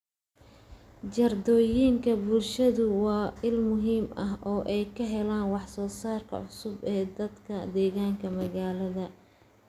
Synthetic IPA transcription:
d͡ʒɐrd̪ɔːjiŋkʰɐbʊlʃɐðʊwɑːɪlmʊɦiːmɐɦʔɔːʔɛjkʰɐɦɛlaːnwɑħsɔːsaːrkʰɐ̰ʕʊsʊbɛːd̪ɐd̪kʰɐd̪ɛːɣaːŋkʰɐmɐɣaːlɐðɐ

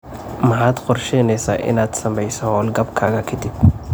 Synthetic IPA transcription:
mɐħaːd̪qɔrʃɛjnɛjsa̰ːʔɪ̰naːd̪̥sɐmɛjsɔhɔːlɡɐbkʰaːɣɐkʰɐd̪ib

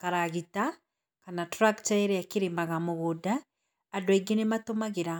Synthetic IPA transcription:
kaɾaɣita | kanatɾakt͡ʃaeɾɛakiɾiːmbaɣamoɣudaː | dwiɡenematomaɣeɾa

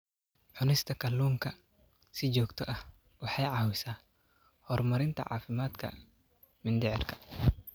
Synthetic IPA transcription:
ʕʊnɪst̪ʰɐkʰɐlːuːŋkʰɐ | sɪt͡ʃɔːɡt̪ʰɔʔɐh | wɑħɑjʕɑwʊsaː | hɔrmɐɾɪnt̪ʰɐ̰ʕa̰ːfɪmaːd̪kʰɐ̰ | mɪnd̪ɪʕɪrkʰɐ̥

